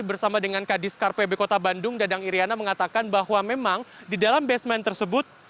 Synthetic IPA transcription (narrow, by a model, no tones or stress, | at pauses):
bərsamadəŋankadɪskarpebekot̪abandʊŋdadaŋiɾianaməŋat̪akanbahwamemaŋdidalambɛsmɛnt̪ərsəbʊt̪̚